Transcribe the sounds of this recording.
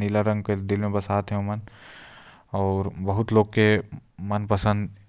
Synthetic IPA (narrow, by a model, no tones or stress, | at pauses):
nilaɾə̃ŋɡked̪ɪlmẽbəsaːt̪ɦɛumən | ɔːɾbəɦʊt̪loːɡkemənpəsə̃nd̪